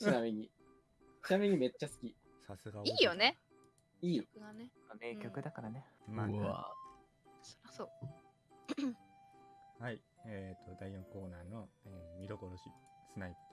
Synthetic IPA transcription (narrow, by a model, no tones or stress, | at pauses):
t͡ɕinamʲiɲ̟i | ɸɯ̟̥namʲiɲ̟ime̞t͡ɕːasɨ̥kʲi | sasɨɡaiːjone | iː | ame̞ːkʲo̞kɯ̟d̪akaɾanemaβa̰ | o | haiet̪ʰːo̞d̪aijõŋko̞ːnaːno̞emʲid̪okoɾoɕisɨnaip